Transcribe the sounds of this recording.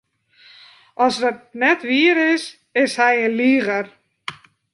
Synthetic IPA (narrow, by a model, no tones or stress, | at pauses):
ɔsdət̪̚nɛtʋiːɾɪs | ɪshajenliːɣəɾ